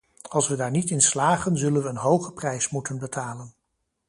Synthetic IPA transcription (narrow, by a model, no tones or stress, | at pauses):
ɑlˠsʋədaːɹnitɪnslaːχənzɵlənʋəːnɦowχəprɛjsmutənbətʰaːlən